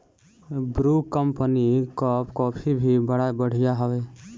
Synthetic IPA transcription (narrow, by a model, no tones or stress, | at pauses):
bɾuːkəmpənikɔːpkɔːpʰibʱibəɽabəɽ̤ijaɦəʋe